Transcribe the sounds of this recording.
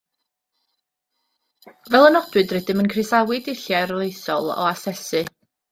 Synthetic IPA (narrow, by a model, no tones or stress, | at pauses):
vɛlˠənɔdwɨdrɛdɨmənkʰrɪsawɨdɪɬjarlˠejsɔlˠɔ̰asɛsɨ